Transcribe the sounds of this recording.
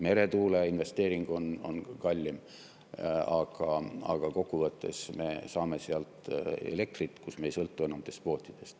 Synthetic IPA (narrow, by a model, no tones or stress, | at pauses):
me̞ɾe̞t̪uːleinve̞st̪e̞ːɾiŋɡ̥o̞no̞̰nkɑlʲːim | ɑɡ̥ɑɑ̰ɡ̥ɑko̞kːuvɤt̪ːˑe̞̰sme̞sɑːme̞seɑlt̪ˑḛle̞k̚t̪rit̪ːkusmeːjsɤlt̪ːue̞nɑmt̪e̞st̪̚po̞ːt̪ʲːˑid̪̥e̞st̪